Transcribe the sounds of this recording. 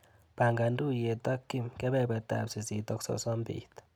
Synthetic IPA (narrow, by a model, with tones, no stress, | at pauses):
b̥a˨ŋɡa˨ndu˦˨je˨ta˦kːi˦mkɛ˦bɛ˦˨bɛ˨t̪a̰˨psi˨si˨t̪ɔ˦ksɔ̰˦sɔ˦mbḭ˨t̪